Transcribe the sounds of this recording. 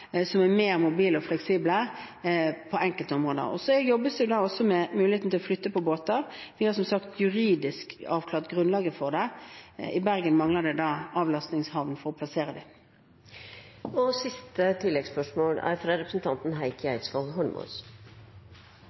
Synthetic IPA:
sɔmæmeːʁmʊbiːləɔflɛksiːblə | pʰɔɛŋkəlt̪əɔmʁoːd̪ə̰ɔ̰sɔjɔbːəsd̪ɛjʊd̪ɑːɔsːɔmɛmʉːlɪeːt̪n̩t̪ʰɪlɔflʏt̪ːəpɔboːt̪ɑɾʋɪhɑɾsɔmsɑkt̪ʰjʉɾiːd̪ɪskɑːʋkʰlɑːʁt̪ɡʁʉnlɑːɡəfɔʁd̪ɛ | ɪbæʁɡənmɑŋləd̪ɛd̪ɑːɑːʋlɑst̪nɪŋshɑʋnfɔʁɔpʰlɑseːʁəd̪ɪ | ɔsɪst̪ət̪ʰɪlːɛɡspœʂmoːɽæ̰ɾfɾɑɾɛpɾsn̩t̪ʰɑnt̪n̩ɦæɪkæɪt̪sfɔlɦɔɳmṵs

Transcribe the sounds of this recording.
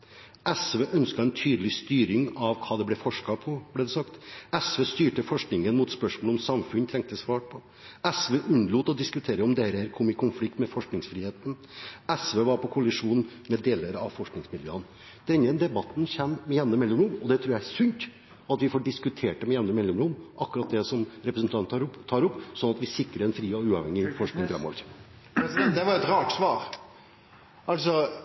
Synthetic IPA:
ʔɛsʋeːʔœnskɑɛnt̪ʰyːd̪əlɪst̪yːɾɪŋɑʋkʰɑːd̪ɛblɛfɔʂkɑpʰɔblɛd̪ɛsɑkt̪ɛsʋeːst̪yːʈəfɔʂknɪŋənmʊt̪spœʂmoːlɔmsɑmfʉnt̪ʰɾɛŋk̚t̪əsʋɑːʈ̚pʰɔ | ɛsʋeːʔʉnːluːt̪ːɔd̪ɪskʉt̪ʰeːɾəɔmd̪ɛæɾəhæɾkʰɔmɪkʰʊnflɪk̚t̪mɛfɔʂknɪŋsfɾiːheːt̪n̩ | ɛsʋeːʋɑɾpʰɔkʰʊlɪʂuːnmɛd̪eːləɾɑ̰ʋfɔʂknɪŋsmɪljø̰ːn | d̪̥ɛnːəd̪ɛbɑt̪nçɛmːmɛjɛnnəmɛlːɔmɾʊmɔd̪ɛt̪ʰɾʉːjææsʉnt̪ | ɑt̪ʋɪfɔɖɪskʉt̪ʰeːʈɖəmɛjɛnəmɛlːɔmɾʊmʔɑkːʉɾɑt̪̚d̪ɛsɔmɾɛpɾəsn̩t̪ʰɑnɾt̪ʰːɑːɾɔpːsɔnɑt̪ʋɪsɪkːɾəɾɛnfɾiːɔʉːɑːʋhɛŋːɪfɔʂknɪŋfɾɛ̰mːɔ̰ʋəɾ | d̪ɛʋɑɾɛt̪ɾɑːʈsʋɑːɾ | ɑlsɔ

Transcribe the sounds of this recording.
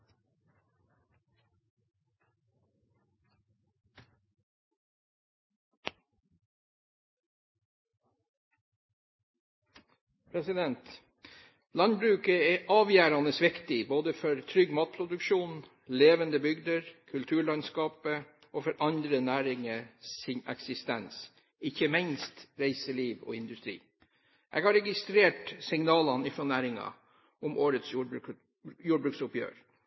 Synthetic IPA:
pʰɾɛsɪd̪ɛnt̪ | lɑnbɾʉːkəeːʔɑːʋjæːɾɑnəsʋɪkt̪ɪboːd̪əfɔɾt̪ʰɾʏɡmɑːt̪̚pʰɾʊd̪ʉkʃuːn | leːʋənd̪əbʏɡd̪əɾkʰʉlt̪ʰʉːɭɑnskɑːpə | ɔfɔɾʔɑnd̪ɾənæːɾɪŋəsɪnɛ̰ksɪst̪ɛns | ɪçəmɪnst̪ɾæɪsəliːʋɔ̰ɪnd̪ʉst̪ɾḭː | ʔɛ̰ɡhɑɾɛɡɪst̪ɾeːʈsɪŋnɑːlɑnɪfɾɔnæːɾɪŋɑ̰ | ʔɔmʔoːɾət̪sjuː | juːɖbɾʉːksʊpjø̰ːɾ

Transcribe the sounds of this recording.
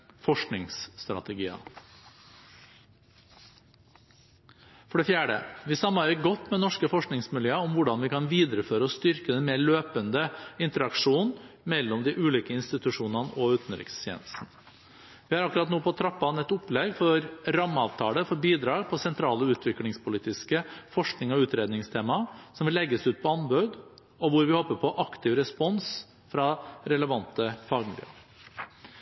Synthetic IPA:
fɔʂknɪŋsːt̪ɾɑ̰t̪ɛɡiːɑ̰ | fɔɖɛfjæːɖə̰ʋɪsɑmːɑɪɡɔt̪ːmɛnɔʂkəfɔʂknɪŋsmɪljøːəɔmʋʊɖɑnʋɪkʰɑnʋiːd̪ɾəføːɾəɔst̪ʏɾkəd̪ɛnmeːɭøːpənd̪əɪnt̪əɾɑkʂuːnmɛlːɔmd̪ɪʔʉːliːkəɪnst̪ɪt̪ʉʂuːnɑnəʔɔʉːt̪ən̩ɾɪ̰kst̪ʰjḛnsn̩ | ʋɪhɑɾɑkʉɾɑt̪noːpʰɔt̪ʰɾɑpːɑnɛt̪ːʊplɛɡfɔɾɾɑmːəɑːʋt̪ʰɑːləfɔɾbiːd̪ɾɑːɡpʰɔsɛnt̪ʰɾɑːləʉːt̪ʰʋɪklɪŋspʰʊliːt̪ɪskəfɔʂknɪŋɔʉːt̪ɾeːd̪nɪŋst̪ʰeːmɑsɔmʋɪlːɛɡːəsʉːt̪̚pʰɔɑnbœd̪ | ɔʋʊɾʋɪhɔpːəpʰɔʔɑkt̪ɪʋɾɛspɔns | fɾɑɾɛləʋɑnt̪əfɑːɡmɪlj̰ə̰

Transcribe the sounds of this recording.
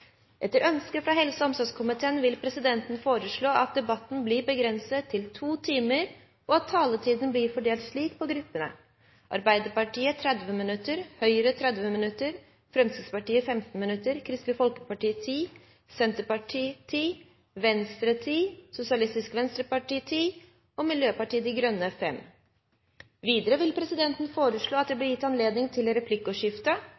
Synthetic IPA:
ʔɛt̪ːəɾʔœnskəfɾɑːɦɛlsəɔmsɔskʰʊmɪt̪ʰeːənʋɪlpʰɾɛsɪd̪ɛnt̪n̩foːɾəʂɭoːʔɑt̪̚d̪ɛbɑt̪ːn̩blɪɾbəɡɾɛnsət̪ʰːɪlt̪ʰuːt̪ʰiːməɾ | ɔɑt̪ʰːɑːlət̪ʰiːd̪ən̩blɪɾfɔɖeːlt̪ʂɭiːk̚pʰɔɡɾʉpːənə̰ | ʔɑ̰ɾbæɪd̪əɾpɑʈʰiːət̪ʰɾɛd̪ʋəmɪnʉt̪ːəɾhœʏəɾət̪ʰɾɛd̪ʋəmɪnʉt̪ːəɾ | fɾɛmsəspɑʈiːəfɛmt̪n̩mɪnʉt̪ːəɾkʰɾɪst̪ləfɔlkə̥pɑʈiːt̪ʰiː | sɛnt̪əpɑʈʰiːt̪ʰiː | ʋɛnst̪ɾət̪ʰiːsʊsɪɑlɪst̪ɪskʋɛnst̪ɾəpɑʈiːt̪ʰiː | ɔmɪljøːpɑʈiːəd̪ɪɡɾœnːəfɛm | ʋiːd̪əɾəʋɪlpʰɾɛsɪd̪ɛnt̪n̩foːɾəʂɭoːɑt̪̚d̪ɛːblɪɾjɪt̪ːɑnleːd̪nɪŋt̪ʰɪlɾɛpʰlɪkːʊʂɪft̪ə

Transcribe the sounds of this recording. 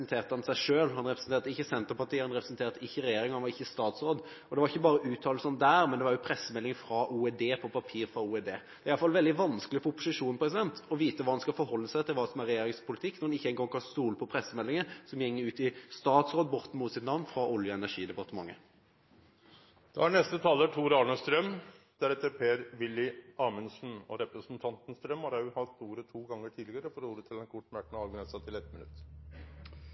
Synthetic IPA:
nt̪ʰeːʁt̪əhɑnsæɪʂøːlhɑnʁɛpɾɛsn̩t̪eːʁt̪əɪçːəsɛnt̪əɾpɑʁʈ̪iːəhɑnʁɛpɾɛsnt̪eːʁt̪əɪçːəɾɛjeːɾɪŋhɑnʋɑʁɪçːəst̪ɑːt̪sɾoːd̪ | ɔd̪ɛʋɑɾɪçːəbɑːɾəʔʉːt̪ʰɑːlsɔnd̪æːɾmɛnd̪ɛʋɑɾjʊpʰɾɛsːəmɛlːɪŋfɾɑʔuːɛd̪eːpʰɔpʰɑpʰiːʁfɾɑuːɛd̪eːd̪ɛæɾɑlfɑlʋɛld̪ɪʋɑnskəlɪfɔɔpːʊsɪʂuːnpɔɾɛs̬ɪd̪ɛnt̪ɔʋiːt̪əʋɑːɑnskɑlfɔɾhɔlːəsæɪt̪ʰɪlʋɑːsɔmæɾɛjeːɾɪŋspʰʊlɪt̪ʰɪkːnɔʁɑnɪçːəɛŋɡɔŋkʰɑst̪uːləpʰɔpʰɾɛsːəmɛlːɪŋəsɔmjɛŋːəʉːt̪ɪst̪ɑːt̪sʁoːd̪bɔʁt̪n̩mʊt̪sɪt̪nɑʋnfɾɑʔɔljəɛnæʂiːd̪ɛpɑʁt̪əmɑ̰ŋːə | d̪̥ɑ̰æɳɛst̪ət̪ʰɑːləʈʰuːɾɑlɳəst̪ɾœmd̪̥æɾɛt̪ːəpʰeːɾʋɪlːɪʔɑːmənsn̩ɔɾɛpɾəsn̩t̪ʰɑnt̪n̩st̪ɾœmhɑɾɑhɑt̪uːɾət̪ʰuːɡɑŋːəʈʰiːd̪lɪɡəɾəfɔɾuːɾət̪ʰɪlɛnkʰʊʈːmæʈːnɑɡnɛsɑt̪ʰɪlɛt̪mɪnʉ̰t̪ː

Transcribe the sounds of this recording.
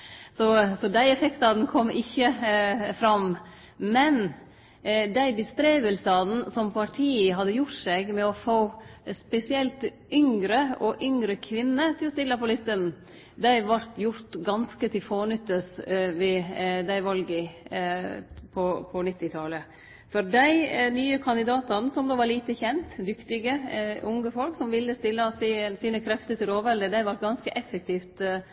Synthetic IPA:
sɔsɔd̪æɪɛfɛkt̪ɑnkʰɔmːɪçːəfɾɑm | mɛn | d̪æɪbəst̪ɾeːbəlsɑd̪n̩sɔmpʰɑʈʰiːəɦɑd̪ːəjʊʈsɛɡmɛɔfoːspɛsɪɛlt̪ | ʏŋɡɾəɔʔʏŋɾəkʰʋɪnːət̪ʰɪlɔst̪ɪlːəpʰɔlɪst̪ənn̩ | d̪æɪʋɑɾt̪jʊɾt̪ɡɑnskət̪ʰɪlfoːnʏt̪ːəsʋɪd̪æɪʋɑlɡə | pʰɔpʰɔnɪt̪ːɪt̪ʰɑlə | fɔɾd̪æɪnyːəkʰɑnd̪ɪd̪ɑːt̪ɑnsɔmd̪oːʋɑɾɭiːt̪əçɛnt̪d̪ʏkt̪ɪɡəʔʊŋəfɔlksɔmʋɪlːəst̪ɪlːəsisiːnəkʰɾɛft̪ət̪ɪloːʋɛld̪əd̪æɪʋɑɾʈ̚ɡɑnskəʔɛfːək̚t̪ʰiːft̪

